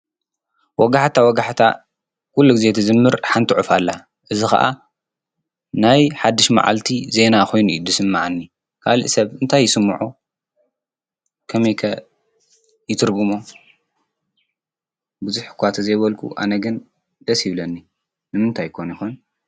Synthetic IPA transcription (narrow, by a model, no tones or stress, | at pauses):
wɔɡaħt̪ʰawɔɡaħt̪ʰa̰ | kʰulːuɡizet̪ʰɨzɨmːɨɾħant̪ʰɨʕufalːa | ʔɨzixɐ̰ʔa̰ | najħad̪ːɨʃma̰ʕa̰lt̪ʰize̞nakʰo̞jnuʔd̪ɨsɨmːaʕanːi | kʰalḭʔsɐβɨnt̪ʰajːɪsɨmːuʕu | kʰɐmɐjkʰɐ | jɪt̪ʰɨɾɡumo | bɨzuħkʰʷat̪ʰɐzɐjβɐlkʰʼṵʔa̰nɐɡɨn | d̪̥ɐsjɪβlɐnːi | nɨmɨnt̪ʰajkʰonjixun